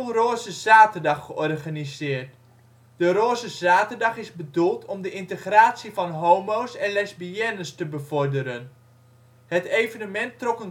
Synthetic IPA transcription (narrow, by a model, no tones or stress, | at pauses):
roːzəzaːtərdɑχːəɔrχanizɪːrt | dəɾoːzəzaːtərdɑχɪzbədulˠtʰɔmdəʔɪntəχraːtsivɑnɦowmowsɛnlɛzbiɛnəstəbəvɔɹdəɾən | ɦətejvənəmɛntrɔkən